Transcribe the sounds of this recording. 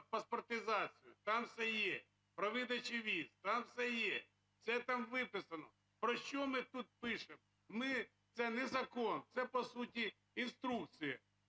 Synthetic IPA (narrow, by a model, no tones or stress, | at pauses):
pɐspɔrt̪ɪzɑt͡sʲijʊt̪ɑmsɛjɛ | pɾɔʋɪd̪ɐt͡ʃɪʋʲizt̪ɑmsɛjɛ | sɛt̪ɑmʋɪpɪsɐnɔ̰ | pɾɔʃt͡ʃɔmɪt̪ut̪̚pɪʃemɔ | mɪ | t̪sɛnɛzɐkɔnt̪sɛpɔsutʲi | inst̪ɾukt͡sʲijɐ